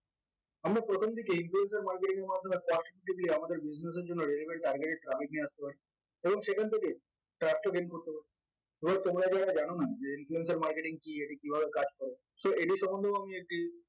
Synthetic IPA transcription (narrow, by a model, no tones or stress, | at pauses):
amɾapɾot̪ʰomd̪ʱikeinfluensaɾmaɾkeʈiŋeɾmad̪ʱːomekɔsʈpuʈibliamad̪eɾbid͡ʑnes̬eɾd͡ʑonːoɾelibeɾʈaɾɡeʈeʈɾafik̚niast̪epaɾi | eboŋʃekʰant̪ʰeke | ʈɾasʈoɡenkoɾt̪epaɾi | ebʱat̪omɾad͡ʑaɾad͡ʑañonad͡ʑeinfluens̬aɾmaɾkeʈiŋkieʈikibʱabekad͡ʑkɔɾe | soeʈiʃɔmond̪ʱeoamiek̚ʈi